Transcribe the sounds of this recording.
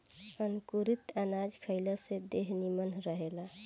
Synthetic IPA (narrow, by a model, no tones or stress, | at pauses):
ənkuɾit̪ənad͡ʒkʰəɪləsed̪eɦnimənɾəɦela